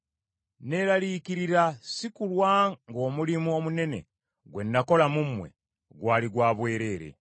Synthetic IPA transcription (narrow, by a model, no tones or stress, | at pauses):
ne̞ɾaliːkiɾiɾasikulwaŋɡo̞ːmulimuo̞mune̞ne̞̰ | ɡwe̞̰ndako̞lamumwe̞̰ | ɡwaːliɡwaːβwe̞ːɾe̞ːɾḛ